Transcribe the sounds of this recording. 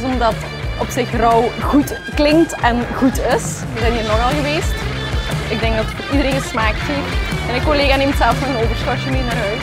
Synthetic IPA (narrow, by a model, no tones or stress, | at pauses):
zɔmdɑt | ɔpsɪxrɔwɣut | klɪŋktɛnɣutɪs | ʋəzɛjnɦiːrnɔɣɑlˠɣəʋeːst | ɪɡ̚dɛŋɡ̚dɑtfidəɾeːnɪsmaːkteɛnɪkːoleːɣaneːmtsɛlˠfnɔɣənoːvərsxɔtəmeːnaːɾœɥt